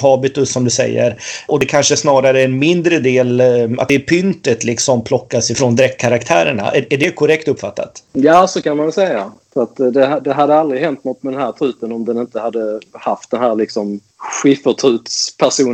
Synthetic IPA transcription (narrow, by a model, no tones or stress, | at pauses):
ɦɑːbɪt̪ɵsːɔmd̪ɵsɛ̰jːə̰ɾɔd̪ɛkʰanʂəsnɑːɾaɾəɛnmɪnd̪ɾəd̪eːla̰t̪d̪ɛpʰʏnt̪ət̪lɪksɔmpʰlɔkːasɪfɾond̪ɾɛk̚t̪kʰaɾakt̪ʰæːɾəɳa̰ʔɛæɖɛkʰɔɾɛk̚t̪ɵpːfa̰t̪ːa̰t̪jɑːsɔkʰanmansɛjafəɾat̪d̪ɛd̪ɛɦad̪ːəald̪ɾɪhɛnt̪nɔt̪ːmɛd̪ɛnhæːɾt̪ʰɾʉ̟ːt̪ənɔmd̪ɛnɪnt̪əhad̪ːəhaft̪̚d̪ɛnɦæːɾlɪksɔm | ɧɪfət̪ʰɾʉːt̪spʰæʂuː